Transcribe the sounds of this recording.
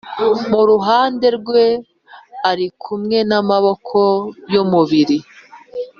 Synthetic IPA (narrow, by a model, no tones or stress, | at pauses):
muɾuɦaːnde̞ɾɡwe̞ | aɾikʰumŋe̞namaβo̞kʰo̞jomuβiɾi